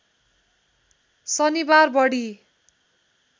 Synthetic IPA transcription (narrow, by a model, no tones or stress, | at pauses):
sʌnibarbʌɽi